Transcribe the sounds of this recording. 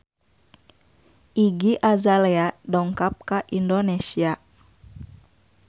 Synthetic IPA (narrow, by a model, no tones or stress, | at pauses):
ʔiɡiʔazalɛadɔŋkap̚kaʔindonesia